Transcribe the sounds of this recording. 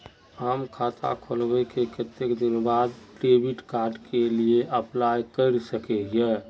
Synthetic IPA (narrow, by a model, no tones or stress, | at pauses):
amkʰat̪ʰa̰kʰolbɛkekət̪ːekd̪inbad̪pɾebiʈkaɾɖkelieʔəplajkəɪɾsəkɛjɛ